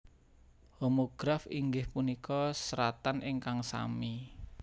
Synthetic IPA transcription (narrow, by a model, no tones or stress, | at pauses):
homoɡ̥ɾafiŋɡɪhpunikɔsəɾat̪anʔɪŋkaŋsa̰mi